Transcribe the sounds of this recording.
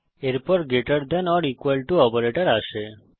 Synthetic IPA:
eɾpɔɾɡeʈaɾd̪ɛnɔɽikwalʈuɔpeɾeʈaɾaʃe

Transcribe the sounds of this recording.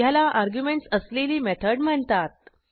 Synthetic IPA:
jalaʔaɾɡjumeɳʈsəsleliːmɛt̪ʰəɖm̤əɳt̪at̪̚

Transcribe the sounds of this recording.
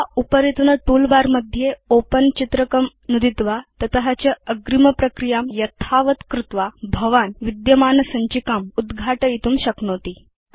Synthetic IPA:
aupəɾit̪nəʈulbaɾməd̪ʱːjeopənt͡ɕit̪ɾəkəm | nud̪it̪ʋat̪ət̪əɦat͡ɕjaəɡɾiməpɾəkɾijamjət̪ʰaʋət̪kɾut̪ʋabʱəʋanʋid̪jəmanəsaɲt͡ɕiːkamud̪ɡʱaʈəit̪uːmɕəknot̪iː

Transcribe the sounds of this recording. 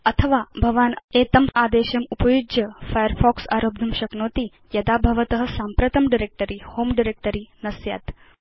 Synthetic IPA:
ɐt̪ʰɐʋaːbʱɐʋaːneːt̪ɐmaːd̪eːʃɐmupɐjud͡ʒjɐfajəɾfʰɔːksa̰ːɾoːb̚d̪ʱɐmʃɐknoːt̪i | jɐd̪aːbʱɐʋɐt̪ɐɦɐ̆saːmpɾɐt̪ɐmɖiɾeːk̚ʈəɾiːhoːmɖiɾek̚ʈəɾiːnɐsja̰ːt̪

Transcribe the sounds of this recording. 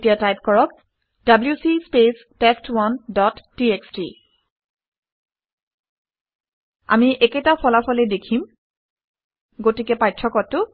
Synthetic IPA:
tijatajp̚kɔɹɔk | dabljusispes | testwɔndɔtːieksti | a̰miʔɛketapʰɔlapʰɔlɛdekʰim | ɡotikɛpajtʰːɔkɔtːʊ

